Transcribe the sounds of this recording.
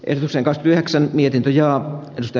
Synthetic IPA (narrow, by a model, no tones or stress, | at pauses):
ʔḛhdot̪ukseːŋkɑkskyt̪yheksænmiet̪int̪øjɑːedust̪ɑˑ